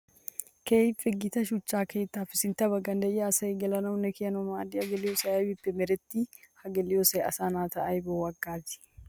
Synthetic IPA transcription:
keːjfʼɛɡɪt̪ɐʃʊt͡ʃːaːkeːt̪ːaːfɪsɪnt̪ɐbɐɡɐnd̪ɐʔɪaːsɐjɡɛlɐnɐwʊnɛkɪjɐnɔmaːd̪ɪɐɡɛlɪjosɐjɐbɪpːɛmɛɾɛt̪ːihɐɡɛlɪjosɐjɐ̰saːnaːt̪ɐʔɐjbowɐɡːaːt̪ɪ̥

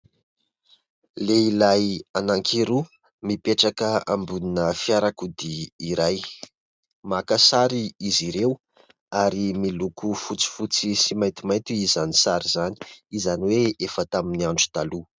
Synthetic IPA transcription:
leilajanaŋkʰiɾu | mipeʈ͡ʂakəambuninəfiaɾakud̪iiɾaj | makasaɾiiziɾew | aɾimilukufut͡si̥fut͡sisimaj̪t̪imajt̪uizanisaɾizani̥izaniweefət̪aminiaɳɖ͡ʐu̥t̪alu

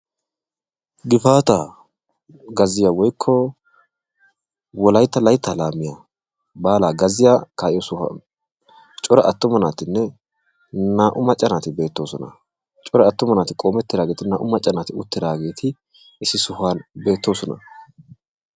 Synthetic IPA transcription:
ɡɪfaːt̪aː | ɡɐzɪjaːwɔjkʰːɔ | wɔlɐjt̪ːɐlɐjt̪ːɐlaːmːɪja | baːlaːɡɐzɪjaːkaːʔɪjosʊhɐ̰ | t͡ʃʼɔɾɐʔɐt̪ːʊmɐnaːt̪ɪnːɛ | naːʔʊmɐt͡ʃʼːɐnaːt̪ɪbe̞ːt̪ːo̞ːsɔnɐ̰ | t͡ʃʼɔɾɐɐt̪ːʊmɐnaːt̪ɪkʼo̞ːmɛt̪ːɪd̪aːɡeːt̪ɪnaːʔʊmɐt͡ʃʼːɐnaːt̪ɪʊt̪ːɪd̪aːɡe̞ːt̪ʰɪ | ʔɪsɪsʊhaːnbe̞ːt̪ːo̞ːsɔnɐ̰

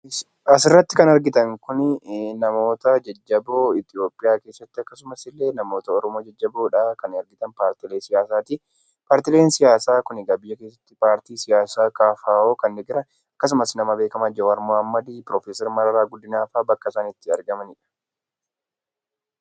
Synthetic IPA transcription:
ɐsɪrːɐt̪ːɪkɐnɐɾɡɪt̪ɐŋkʊnnɐmo̞ːt̪ɐd͡ʒɐd͡ʒːɐboːɪt̪ɪo̞ːpʼːɪjaːke̞ːsːɐt̪ːɪɐkːɐsʊmɐsɪlːe̞ːnɐmo̞ːt̪ɐɔɾɔmoːd͡ʒɐd͡ʒːɐboːᶑaːkɐnɐɾɡɪt̪ɐnpaːɾt̪ɪleːsɪjaːsaːt̪ɪ | paːɾt̪ɪleːnsɪjaːsaːkʊnɪɡɐbɪjɐke̞ːsːɐ̥t̪ːɪpaːɾt̪iːsɪjaːsaːkʼaːfaːoːkɐnd̪ɪɡɪɾɐ | ɐkːɐs̬ʊmɐsnɐmɐbe̞ːkɐmɐd͡ʒɐwɐɾmohɐmːɐd̪iːpɾoːfeːsɛɾmɐɾɐɾaːɡʊd̪ːɪnaːfaːbɐkːɐsaːnɪt̪ːɪɐɾɡɐmɐnɪᶑɐ̥

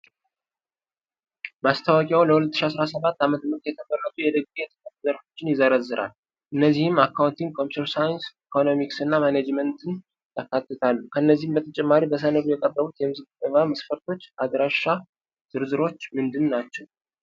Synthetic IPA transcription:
mast̪ʰawəkʼjawləhulət̪ːʃiasɾasəβat̪ːamət̪əmɨɾt̪jɛt̪ʰəbərːət̪ʼujɛd̪əɡ̚ɡijɛt̪ʰə̥fət̪uzəɾfo̞t͡ʃːɪnjɪzəɾəzːɨɾʔa̰l | ʔɨnːəzːihɨmakːawnt̪iŋɡkʰo̞mpit̪ʰɛɾsajnsikʰo̞no̞miksɨnːamaned͡ʒmənt̪ʰɨn | jakːat̪ːɨt̪ʰalːukʰəɨnːəzːihɨmbət̪ʰət͡ʃʼɛmːaɾibəs̬ənəɾujɛkʼərːəβut̪jɛmɨzɨɡt̪ʼɨvaməsfəɾt̪ʰo̞t͡ʃːʔad̪ɾaʃːa | z̥ɨɾzɨɾo̞t͡ʃːmɨnd̪ɨnːnat͡ʃːɛw

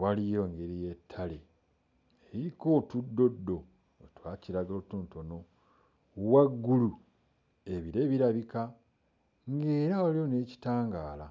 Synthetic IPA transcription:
walijo̞ŋɡeɾijetʰːale | eɾiiko̞ːtudːo̞dːo̞ | otwaːciɾaɡotuntono | waɡːulu | e̞βiɾeβiɾaβika | ŋɡe̞ːɾaalioneːci̥taːŋɡaːla

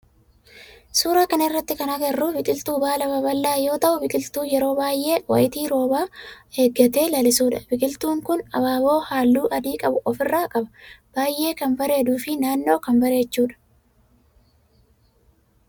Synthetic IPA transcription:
suːɾaːkɐnɪrːɐt̪ːɪkɐnɐɡɐrːʊbɪkʼɪlt̪uːbaːlɐbɐbɐlːaːjo̞ːt̪ɐʔʊbɪkʼɪlt̪uːjɛɾo̞ːbaːjʔːe̞ːwɐ̰ʔɪt̪iːɾo̞ːbaːeːɡːɐt̪e̞ːlɐlɪsuːᶑɐbɪkʼɪlt̪uːŋkʊnɐ̰baːbo̞ːhaːlːuːʔɐd̪iːkʼɐbʊʔɔfɪrːaːkʼɐbɐ̥b̥aːjʔːe̞ːkɐnbɐɾe̞ːd̪uːfɪnaːnːo̞ːkɐnbɐɾe̞ːt͡ʃːuːᶑɐ̥

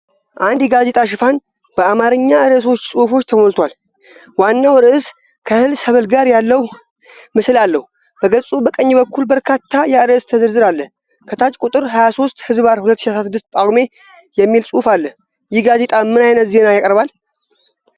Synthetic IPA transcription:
ʔand̪jɛɡaze̞t̪ʼaʃ̬ɨfan | b̥əamaɾɨɲːaɨɾɨs̬o̞t͡ʃːsʼufo̞t͡ʃːt̪ʰəmolt̪ʰwal | wanːawɨɾʔɨs | kʰəhɨlsəβəlɡaɾjalːəw | mɨslalːəhu | b̥əɡəsʼubəkʼəɲːbəkʰːulbəɾkʰat̪ːajɛɨɾɨɨst̪ʰəzɨɾzɨɾalːə | kʰət̪ʰat͡ʃʼkʼut̪ʼɨɾɦajaso̞st̪hɨzbaɾhulət̪ːɨʃiasɾas̬ɨd̪ːɨst̪̚pʼaɡme̞ | jɛmːilsʼufalːə | jɪɡaze̞t̪ʼamɨnajnət̪ze̞najakʼəɾβal

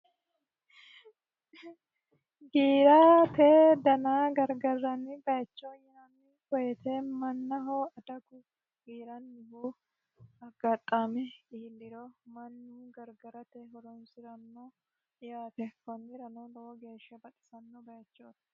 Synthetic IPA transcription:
ɡiːɾat̪eːd̪ɐnaːɡɐɾɡɐrːɐnːɪbɐjɐt͡ʃːojɪɐnɪkɔjɛt̪ʰemɐnːɐɦoːɐd̪ɐɡʊ | ɡiːɾɐnːɪbo | ɐɡɐt̪ʼːaːmɛɪɪlːɪɾomɐnːuɡɐɾɡɐɾɐt̪ɛɦɔɾɔnsɪɾɐnːo | ɪjaːt̪ɛhɔndɪɾɐnolɔoɡe̞ːʃːɐbɐt̪ʼɪ̥sɐnːɔbɐjɐt͡ʃːoːt̪

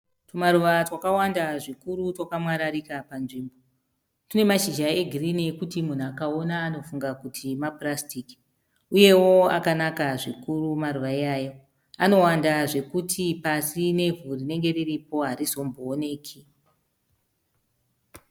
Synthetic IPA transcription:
tumaɾuʋatwakawandaʐikuɾutwokamwaɾaɾikapanʐiːmbo | tune̞maʃiʒae̞ɡʱirinikutimun̤uakao̞naːno̞fuŋɡakutʰimaprastiki̥ | uje̞wo̞a̰kanakaʐikurumaruʋaiaːjo̞ | ano̞wandaʐe̞kutʰipasine̞vurine̞ŋɡe̞riripo̞ɦaɾizo̞mboːne̞ːkʰi

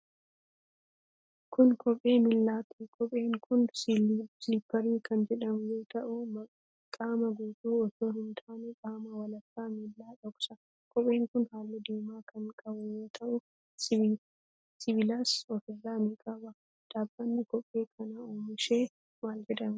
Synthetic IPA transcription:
kʊnkʰɔpʼːe̞ːmɪlːaːt̪ɪkʰɔpʼeːŋkʰʊnssipːɐɾiːkʰɐnd͡ʒɛᶑɐmjoːt̪ɐʔʊmɐ | kʼaːmɐɡuːt̪uːɔt̪oːhɪnt̪ʰaːnɛkʼaːmɐwɐlɐkːaːmilːaːᶑɔksɐ | kʰʼɔpʼːe̞ːŋkʊnhaːlːɪd̪iːmaːkʰɐŋkʼɐbʊjoːt̪ʰɐʔʊ | sɪbɪlaːsɔfɪrːaːnɪkʼɐbɐ | d̪̥aːbːɐnːɪkɔpʼːe̞ːkʰɐnaoːmɪʃe̞ː | maːld͡ʒɛᶑɐm

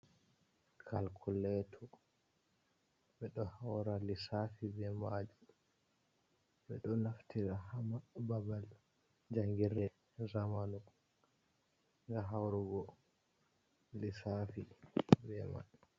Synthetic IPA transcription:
kʰalkʰulɛtʰɔ | ɓɛɗɔhawɾalisafibɛmad͡ʒu | ɓɛ̰ɗɔnaftiɾahamababal | d͡ʒaŋɡiɾɛ | zamanɔ | ŋɡaɦawɾuɡɔ | lisafibɛma̰d͡ʒu

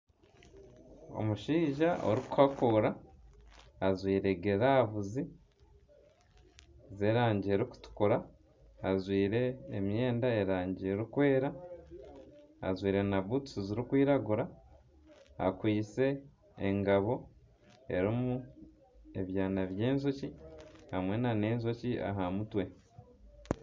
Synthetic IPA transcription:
o̞̰muʃiːʒao̞̰ɾikuhakuːɾaː | zwiːɾe̞ɡeɾaβuzi | zeːɾaːɲɟieɾiku̥tu̥kuɾaː | zwiːɾe̞ːmje̞ːndaeɾaːɲɟieɾukwe̞ːɾa | zwiːɾe̞naβutu̥suziɾikwiːɾaɡuɾa | a̰kwiːse̞̰ː | ŋɡaβo̞ | e̞̰ɾimu | e̞βjaːnaβje̞ːnzocihamwe̞nane̞ːnzocia̰ɦamutwe̞

